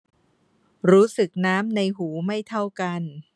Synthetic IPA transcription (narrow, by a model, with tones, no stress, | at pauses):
ɾuː˦˥sɯ˨˩k̚naː˦˥mna˧jɦuː˩˦ma˥˩jt̪ʰa˥˩wka˧n